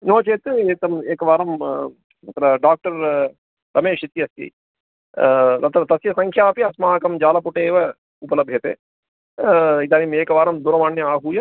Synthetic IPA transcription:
noːt͡ʃeːt̪ɨeːk̚t̪ɐmeːkɐʋaːɾɐm | mɐt̪ɾɐɖaːk̚ʈɐɾ | t̪ɐmeːʃit̪ːijɐsjɐ̰ḭ | nɐt̪ɾɐt̪ɐsjɐsɐŋkʰjaːpiɐsmaːkɐmd͡ʒaːlɐpuʈeːʋɐ | upɐlɐbʱjɐt̪ḛː | it̪aːnimeːkɐʋaːɾɐmd̪uɾɐmaːnjɐaːɦuːjɐ

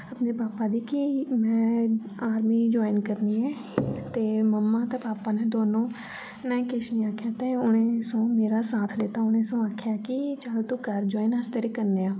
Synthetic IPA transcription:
əpneːpaːpaːd̪iːkimɛ̃ːaːɾmiːd͡ʒoːɪnkəɾniːɦɛː | t̪eːməmːaːt̪eːpaːpaːneːd̪oːnõː | nəĩkɪʃniːaːkʰjaːt̪eːʊnẽːsõːmeːɾaːsaːt̪ʰd̪et̪aːʊnẽːsõːaːkʰjaːkɪt͡ʃaːlt̪uːkəɾd͡ʒɔːɪnəst̪eɾekəɾneːãː

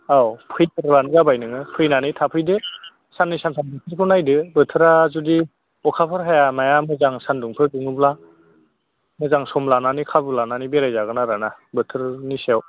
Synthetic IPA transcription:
awpʰɯjtʰɯɾbanzabajnɯŋɯpʰɯjnanɯjtʰapʰɯjdɯ | sanːisantʰanbɯtʰɯɾkʰɯnajdɯbɯtʰɯɾazudi | ɔkʰapʰɯɾɦajamajamɯzaŋsanduŋpʰɯɾduŋɯbla | mɯzaŋsɔmlananikʰabulananibeɾajzaɡɯnaɾanabɯtʰɯɾnisew

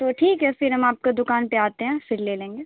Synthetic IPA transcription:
t̪oːʈʰiːkɦɛfɪɾɦɐmaːp̚kad̪ʊkaːnpeaːt̪eɦɛ̃fɪɾleːlẽːŋɡeː

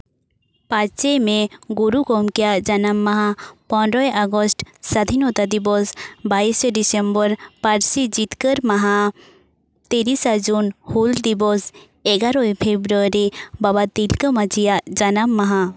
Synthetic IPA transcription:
pat͡ʃt͡ʃemeɡuɾuɡɔmkijad͡ʒanamːaɦapɔ̃nɾɔjʔaɡɔsʈsad̪ʱinɔt̪ad̪ibɔsbaisɖisembəɾpaɾsid͡ʒit̪kəɾmaɦa | t̪eɾisad͡ʒunhuld̪ibɔs | ɛɡaɾɔepʰebɾuaɾibabat̪ilkəmad͡ʒijad͡ʒanamːaɦa

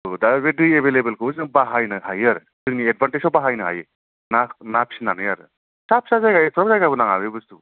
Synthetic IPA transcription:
daβedɯebelebelkʰɯzbaɦajnɯhajaɾɯ | tɯŋnied̚banʈeawbaɦajnɯɦa̰je | nanapʰsinanɯjaɾɯ̰ | sap̚sazajɡajɯtʰɔɾap̚zajɡabɯnaŋa̰webɯstu

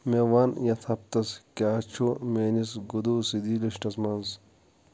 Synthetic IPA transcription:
mewaːnjɐt̪ʰɐp̚t̪ɐskʲaːt͡ʃʰumeːnis̬ɡud̪usid̪iliʃʈɐsmɐns

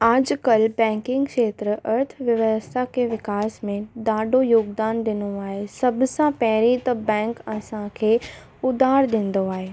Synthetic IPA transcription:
aːd͡ʑkɐlbɛ̃ːŋkɪ̃ŋɡkʃeːt̪ɾəʔɐɾt̪ʰʋjɐʋəst̪ʰakeʋɪkaːsmẽd̪aːɖojoːɡd̪aːnd̪ɪnoaːɦesɐbsãpɛɦɪɾit̪ɐbɛ̃ːŋkɐsãkʰeː | ʊd̪ʱaːɾd̪ĩːnd̪oaːɦeː

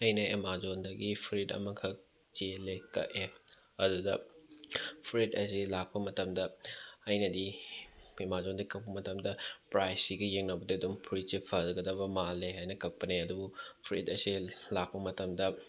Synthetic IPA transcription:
ɐjnɐemazondɐɡipʰɾitɐ̰mɐkʰɐk | t͡ʃelekɐ̰ʔe | ɐdudɐ | pʰɾitɐsilak̚pɐmɐtɐmdɐɐjnɐdi | emazondɐɡikɐk̚pɐmɐtɐmdɐpɾajsiɡijeŋnɐbɐdiɐdumpʰɾit̚t͡ʃipʰɐzɐɡɐdɐβɐmalːeɦajnɐkɐk̚pɐneɐdubupʰɾḭtɐsilak̚pɐmɐtɐmdɐ

